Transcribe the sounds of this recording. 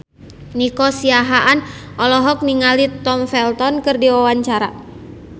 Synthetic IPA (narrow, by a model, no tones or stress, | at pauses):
nikɔsiaɦaʔanʔɔlɔɦɔk̚niŋalit̪ɔmfɛlt̪ɔnkɨrdiwawaɲt͡ʃaɾa